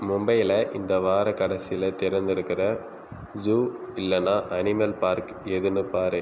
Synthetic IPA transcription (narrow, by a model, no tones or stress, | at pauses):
mʊmbɐjɪlɐʔɪnd̪ɐʋaːɾɐkːɐɽɐsɪjɪlɐt̪ɪɾɐnd̪ɪɾɯkːɪrɐ | d͡ʒuːɪlːɐnːaːʔɐnɪmɐlpaːɾk | ɛðɯnɯpaːɾe